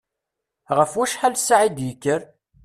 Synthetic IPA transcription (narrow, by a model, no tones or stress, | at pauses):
ʁəfwæʃħalsːaʕid̪jəkːəɾ